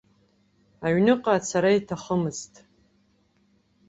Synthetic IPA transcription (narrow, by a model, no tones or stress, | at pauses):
aɥnɨqʼasʰaɾaitʰaχəmɨztʼ